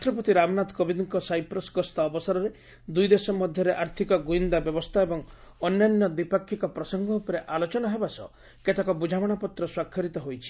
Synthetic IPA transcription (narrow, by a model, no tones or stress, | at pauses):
ʈɾɔp̬ɔt̪iɾamnat̪kɔbid̪ɔŋkɔsajpɾɔsɡɔst̪aːbɔsaɾɔɾe | d̪ujd̪esɔmɔd̪ʱjɔɾeʔaɾt̪ʰikɔɡuind̪abjɔbɔst̪ʰaebɔŋɔnːanjɔd̪ipakʰːikɔpɾɔsɔŋɡɔupɔɾeʔalot͡ʃɔnaɦebasɔ̰ | ket̪ʰakɔbud͡ʒʱamɔɽ̃ɔpɔt̪ɾɔswakʰjɔɾit̪ɔɦojt͡ʃʰi̥